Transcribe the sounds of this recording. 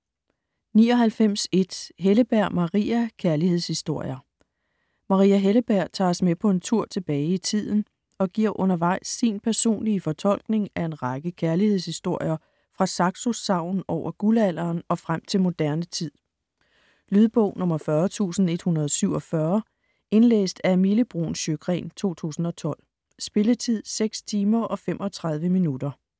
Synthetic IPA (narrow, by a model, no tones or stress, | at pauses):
niːɒ̽ɦælfem̰se̝d̥ɦeləb̥æɐ̰mɑ̈ʁḭːækʰæɐlihe̝ð̞̰ˠshisd̥o̝ɐ̰jɐ | mɑ̈ʁiːæɦeləb̥æɐ̰t͡sʰɑ̰̈ːsmepʰɒ̽e̝nt͡sʰuɐ̰t͡sʰe̝b̥ɛːɪit͡sʰið̰ˠn̩ | ɒ̽ɡ̥iɐ̰ʔɔ̽nɐʋɑ̈ɪ̰sːinpʰæɐso̝̰ːnliəfɒ̽t͡sʰɒ̽l̰ɡ̥ne̝ŋæe̝nʁɑɡ̥əkʰæɐlihe̝ð̞ˠshisd̥o̝ɐ̰jɐ | fʁɑ̈sɑ̈ɡ̥suɑ̈ʊ̰nn̩ɒʊ̰ɐɡ̥ulæl̰ɐːnɒ̽fʁam̰t͡sʰe̝lmo̝d̥æɐnət͡sʰið̰ˠ | lyðˠb̥ɔʊnɔ̽mɐfɶɐt͡sʰṵːsn̩e̝d̥hunɐð̞ˠɒsyʊ̰ɒ̽fɶɐ | e̝nlḛːsd̥æɐemiləb̥ʁo̝̰nɕøɡ̥ʁɛ̰ːnt͡sʰo̝̰ːt͡sʰṵːsn̩ɒ̽t͡sʰɒ̽l̰ | sb̥e̝lət͡sʰið̰ˠseɡ̥st͡sʰiːmɐʔɒ̽femʔɒ̽t͡sʰʁɑ̈ð̞ˠʋəminud̥ɐ